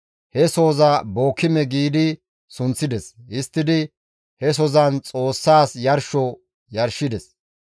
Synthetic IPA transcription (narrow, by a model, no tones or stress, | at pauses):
hɛso̞ːzɐbo̞ːkʰːɪmɛɡiːd̪ɪ | sʊnt͡sːɪd̪ɛsɪst̪ːɪd̪ɪ | hɛs̬ɔzɐnt͡sʼo̞ːsːaːsjɐɾʃɔ | jɐɾʃɪd̪ɛs